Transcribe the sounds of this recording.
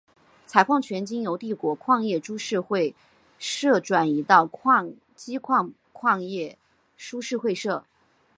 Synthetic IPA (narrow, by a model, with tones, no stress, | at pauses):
t͡sʰa˧˥ɪkʰwɑ˥˩ŋt͡ɕʰɥɛ˧˥nt͡ɕi˥ŋjo˧˥ʊt̪i˥˩kwɔ˧˥kʰwɑ˥˧ŋjɛ˥˩ʈ͡ʂu˥ʂɻ̩˥˧xwe˥˧ɪ | ʂɤ˥˩ʈ͡ʂwa˨˩ni˧˥t̪ɑ˥˩ʊkʰɑ˥˧ŋ | t͡ɕi˥kʰwɑ˥˧ŋ | kʰwɑ˥˧ŋjɛ˥˩ | ʂu˥ʂɻ̩˥˧xwe˥˧ɪʂɤ˥˩